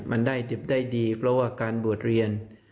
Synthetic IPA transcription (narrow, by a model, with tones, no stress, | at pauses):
mʔa˧ndaː˥˩jde˦˩p̚daː˥˩jdiː˧pʰɾɔ˦˥waː˧˥˩kaː˧nbu˨˩ət̪̚ɾi˧ən